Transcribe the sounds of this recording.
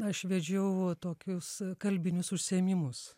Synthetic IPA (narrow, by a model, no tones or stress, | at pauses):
ɐʃʋʲɛd͡ʒʲɛʊt̪oːkʲʊskɐlʲbʲɪnʲʊsʊʃʲsʲeːmʲimʊs